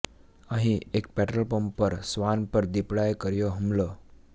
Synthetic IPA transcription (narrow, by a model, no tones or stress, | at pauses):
ãɦiekpɛʈɾəlpəmpəɾsʋanpəɾd̪ipɽajkəɾjoɦəmlə